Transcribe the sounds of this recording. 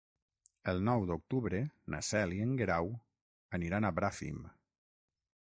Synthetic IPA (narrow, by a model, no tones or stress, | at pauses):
əlˠnɔwd̪ok̚t̪uβɾəna̰sɛliəŋɡeɾaw | əniɾanaβɾafḭm